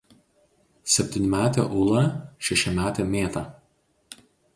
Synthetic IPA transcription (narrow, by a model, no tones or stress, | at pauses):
sʲɛpʲt̪ʲɪnʲɪmʲæːt̪ʲḛːʔʊːlˠɐʃʲɛʃʲɪmʲæːt̪ʲeːmʲeːt̪ɐˑ